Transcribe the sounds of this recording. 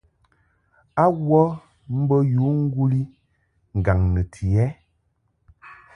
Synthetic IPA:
a˦wɔ˦ | m̩˦bə˦ju˨˦ŋ̩˦ɡu˦li˦ | ŋ̩˨ɡa˨ŋnə˨tʰi˨ɛ˦

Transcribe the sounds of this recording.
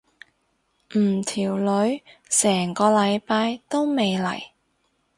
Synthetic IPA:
m̩ː˨˩t̪ʰiː˨˩wlɵ˨˧˥ɥsɛː˨˩ŋkɔː˧lɐ˨˧jpaː˧jt̪o˥wme˨˧jlɐ̰˨˩j

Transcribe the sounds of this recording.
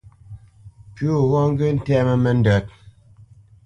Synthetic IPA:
po˦˨wɔ˦ŋ˦ɡə˦n̩˦tɛ˦mə˦˨mɛ˨n̩˦də˨t̚

